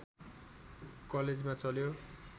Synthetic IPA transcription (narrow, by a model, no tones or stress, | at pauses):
kʌled͡zmat͡sʌljo